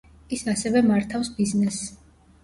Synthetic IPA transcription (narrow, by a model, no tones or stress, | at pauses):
isasɛvɛmaɾt̪ʰafsbiznɛs